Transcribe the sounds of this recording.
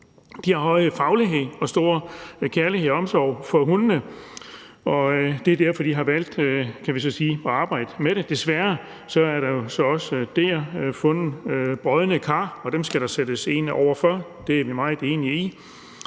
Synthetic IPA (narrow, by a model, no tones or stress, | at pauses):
d̥ihɑ̈ɦɒ̽ɪfɑ̈ʊliɦe̝ð̰ˠɒ̽sd̥o̝ɐkʰæɐliɦe̝̰ɒ̽msɒʊ̰fɒ̽ɦunnə | ɒ̽d̥e̝æɐd̥æɐ̰fɒd̥iɦɑ̈ʋæl̰d̥kʰæʋisɒ̽siːɒɑ̈ːb̥ɑ̈ɪ̰d̥əmeɾe̝d̥e̝sʋæɐ | sɒ̽æɐɾɑ̈jo̝sɒ̽ɒ̽sd̥efɔ̽nəb̥ʁɒðˠənəkʰɑ̈ːɒ̽d̥emsɡ̥æɾ̥ɑ̈sed̥əse̝ːnɒʊ̰ɐfɶɐ̰d̥e̝æɐʋimɑ̈ɪð̩ˠe̝̰ːniəi